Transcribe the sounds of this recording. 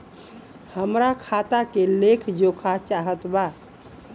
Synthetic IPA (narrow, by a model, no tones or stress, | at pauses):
həmɾakʰat̪akelekʰd͡ʒokʰat͡ʃaɦət̪ba